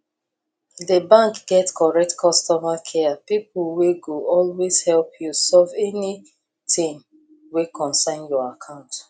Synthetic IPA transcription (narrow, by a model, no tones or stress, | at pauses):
dəbãŋkɡ̥ɛtkʰɔɹɛk̚tkʰɔstɔmakʰɛpip̚lweɡoɔlwez̥hɛlpʰjusɔvɛni | tĩm | wekʰɔ̃nsãɪ̃njɔakʰãʊ̃nt